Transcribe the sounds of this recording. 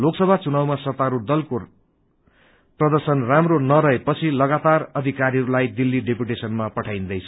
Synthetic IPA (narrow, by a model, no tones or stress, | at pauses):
loksʌbʱat͡sunawmasʌt̪aɾud̪ʌlko | prʌd̪ʌrsʌnramronʌɾʌɦepʌt͡sʰilʌɡat̪arʌd̪ʱikaɾiɦʌɾulajd̪ilːiɖepjuʈesʌnmapʌʈʰaj̃nd̪ʌjt͡sʰʌ